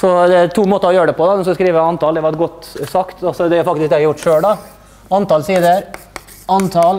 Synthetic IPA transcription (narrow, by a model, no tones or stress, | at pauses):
sɔd̪ɛæɾt̪ʰuːmoːt̪əɾɔjøːɾəɖ̪ɛpɔd̪ɑd̪ɛnskɑskɾiːʋəɑnt̪ɑːld̪ɛʋɑɾɡɔt̪ːsɑkt̪ɑsɔd̪ɛjʊɾfɑkt̪ɪsk̚d̪ɛhɾjʊʈːʂøːlɖ̪ɑ | ɑnt̪ɑːlsiːd̪əɾ | ɑnt̪ʰɑl